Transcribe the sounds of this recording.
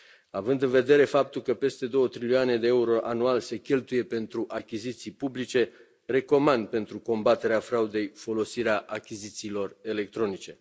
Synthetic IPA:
avɨnd̪ɨnve̞d̪e̞ɾe̞fap̚t̪ulkəpe̞st̪e̞d̪o̞wət̪ɾiliane̞d̪e̞euɾo̞ʔanualse̞kʲe̞lt̪uje̞pe̞nt̪ɾuʔakʲizit̪sijpublit͡ʃe̞ | re̞ko̞mand̪̚pe̞nt̪ɾuko̞mbat̪e̞ɾeafɾaud̪e̞jfo̞lo̞siɾeaʔakʲizit̪siːlo̞re̞le̞k̚t̪ɾo̞nit͡ʃe̞

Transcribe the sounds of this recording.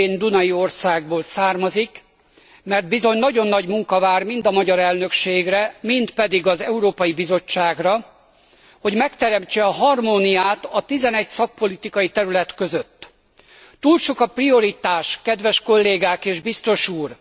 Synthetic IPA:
eːnd̪unɒjio̞rsaːɡ̚boːlsaːrmɒzik | mɛrd̪̚bizo̞ɲnɒɟo̞nːɒɟmuŋkɒvaːrmind̪ɒmɒɟɒɾɛlnø̞kʃeːɡrɛmint̪pɛd̪iɡɒzɛuɾoːpɒjibizo̞t͡ʃːaːɡrɒ | ho̞ɟmɛkt̪ɛɾɛmt͡ʃɛɒɦɒrmonijaːt̪ɒt̪izɛnɛcsɒk̚po̞lit̪ikɒjit̪ɛɾylɛt̪kø̞zø̞t̪ː | uːlʃo̞kɒprio̞ɾit̪aːʃkɛd̪ʋɛʃko̞lːeːɡaːkeːʒbist̪o̞ʃuːr

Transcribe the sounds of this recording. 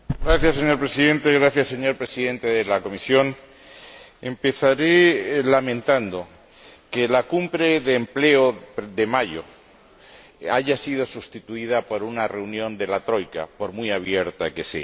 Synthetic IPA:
ɡɾaθjasːeɲo̞ɾpɾe̞siðẽ̞nt̪eɣɾaθjasːe̞ɲo̞ɾpɾe̞siðẽ̞nt̪e̞ðelako̞misjo̞n | empe̞θaɾe̞lamẽ̞nt̪and̪o̞ | kelakumbɾe̞ðeːmple̞oðemaʝo̞̰ | aʝasið̞o̞sust̪it̪uið̞apo̞ɾunare̞unjõ̞nd̪e̞lat̪ɾo̞jka̰po̞ɾmijaβ̞je̞ɾt̪ake̞sḛ

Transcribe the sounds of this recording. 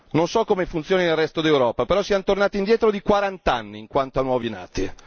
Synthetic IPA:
nonsɔkːomefunt̪sjoːninelrːɛst̪od̪ilewɾɔːpapeɾɔsiant̪ornaːt̪ind̪jɛːt̪ɾod̪ikwaɾant̪anːiːŋkwant̪oanwɔːvina̰ːt̪i

